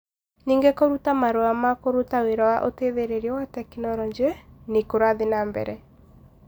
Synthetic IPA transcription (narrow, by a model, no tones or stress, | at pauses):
niːŋɡekoɾutamaɾoamakoɾutaweɾawaʔoteðeɾeɾiɔwatɛkinɔɾɔɲd͡ʒenikoɾaðinambɛ̰ɾɛ